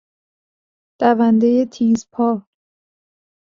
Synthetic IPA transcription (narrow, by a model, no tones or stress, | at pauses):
d̪̥ævænd̪ejet̪ʰiːzpʰɒː